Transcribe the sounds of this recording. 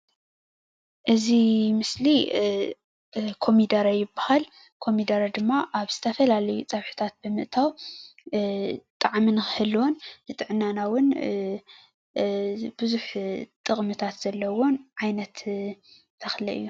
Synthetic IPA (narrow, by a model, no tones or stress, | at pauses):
ʔɨzimɨsli | kʰo̞mid̪aɾajɪbahal | kʰo̞mid̪aɾad̪ɨmːaʔaβz̥ɨt̪ʰɐfɐlalɐjut͡sʼɐβħɨ̥t̪ʰat̪̚bɨmɨʔt̪ʰaw | t̪ʼaʕmɨnɨxhɨlːwonzɨt̪ʼɨʕɨnːanawʊn | b̥ɨzuħt̪ʼɨχʼmɨt̪ʰat̪z̥ɐlːɐwo̞nʕajnɐt̪ | t̪ʰɐxlɐ̰ʔɨ̰jːu